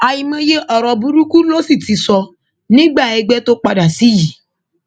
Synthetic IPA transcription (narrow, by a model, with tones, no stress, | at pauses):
a˨ji˧mã˧je˦ʔɔ˨ɾɔ˧bu˧ɾu˦ku˦lo˦si˦˨ti˨˧sɔ˧ | nĩ˦ɡ͡ba˦˨ɛ˧ɡ͡bɛ˦to˦k͡pa˧da˨si˨˦ji˨